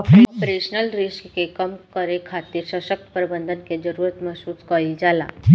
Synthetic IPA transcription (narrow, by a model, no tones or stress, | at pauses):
ppɾeɕnəlɾiskkekəmkəɾekʰat̪iːɾɕaɕək̚t̪pəɾbənd̪ʱənked͡ʒəɾuɾət̪məsut͡skəid͡ʒala̰